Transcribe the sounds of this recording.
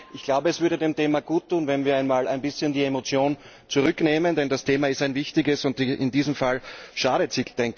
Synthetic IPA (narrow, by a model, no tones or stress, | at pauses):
ʔɪçɡ̥laʊbəɛsv̥ʏɐɾədeːmtʰeːmɐɡ̥uːtʰːuːnvɛnviːɐaɪnmaːlæɪnbɪsçəndiemot͡sjoːn | t͡sʊʁʏkneːməndɛndastʰeːmɐɪstæɪnvɪçtɪɡəsʊntɪ̰ndiːzəm̩falʃaːɾətsɪçd̥ɛŋk